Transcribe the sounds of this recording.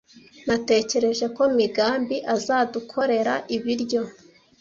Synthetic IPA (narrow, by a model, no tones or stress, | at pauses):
nate̞ːce̞ɾe̞ʒe̞ko̞miɡaːmbiʔazaːdukʰo̞ɾe̞ɾaʔiβiɾɟo̞